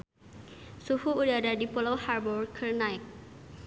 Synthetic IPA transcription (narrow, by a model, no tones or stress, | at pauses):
suhuːdaɾadipɔlowharbɔrkʰərnajk̚